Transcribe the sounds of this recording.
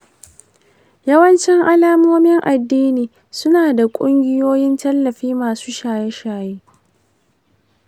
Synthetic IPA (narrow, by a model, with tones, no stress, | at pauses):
jɐ˦wɐ˦nt͡ʃɪ˦ŋʔa˦laː˦moː˦mɪ˦ŋʔa˨dːiː˦niː˨ | sʊ˦naː˨da˨kʷʼʊ˦ŋɡʲɪ˦joː˦jɪ˦ntɐ˦lːɐ˨ɸiː˦maː˨su̥ː˦ʃaː˨jɛ˦ʃaː˨jeː˦